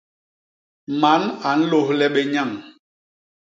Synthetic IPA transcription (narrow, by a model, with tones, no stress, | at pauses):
ma˨˦na˨n̩˦lo˦hlɛ˦ɓɛ˦ɲa˦˨ŋ